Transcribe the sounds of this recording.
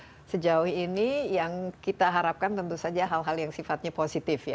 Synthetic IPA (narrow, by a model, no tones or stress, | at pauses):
səd͡ʒaʊhinijaŋkit̪aɦaɾap̚kant̪ənt̪usad͡ʒaɦalɦaljaŋsifat̪̚ɲaposit̪ɪfja̰